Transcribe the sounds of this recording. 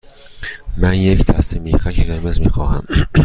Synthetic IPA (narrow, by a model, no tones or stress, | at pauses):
mænjecʰd̪æst̪emiːxækʰeɣeɾmezmiːxɒːhæ̰m